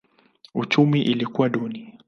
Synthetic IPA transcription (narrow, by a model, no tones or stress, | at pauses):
ut͡ʃumiʔilikuwaɗɔni